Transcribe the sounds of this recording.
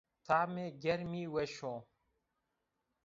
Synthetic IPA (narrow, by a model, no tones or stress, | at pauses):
t̪ʰaːmeɡeɾmiːweʃoː